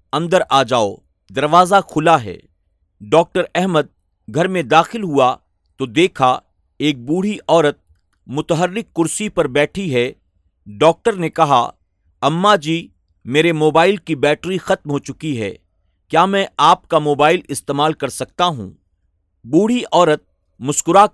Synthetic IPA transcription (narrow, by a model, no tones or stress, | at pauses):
ɐ̃nd̪əɾʔaːd͡ʒaːo | d̪ɐɾʋaːzaxʊlaɦɛ̰ː | ɖɔːk̚ʈəɾɛɦməd̪̚ | ɡʱɐɾmẽd̪aːxɪlɦua | t̪od̪eːkʰa | eːk̚buːɽ̤iʔɔːɾət̪̚ | mʊt̪əɦəɾːɪkːʊɾsipɐɾbɛːʈʰiɦɛ | ɖɔːk̚ʈəɾnekɐɦa̰ | ɐmːad͡ʒiː | meːɾemoːbaːɪlkibɛːʈɾixɐt̪mɦot͡ʃʊkiɦɛ̰ː | kjaːmɛ̃ːaːp̚kamoːbaːɪlɪst̪eːmaːlkɐɾsɐk̚t̪aɦṵ̃ː | buːɽ̤iʔɔːɾət̪̚ | mʊskʊɾa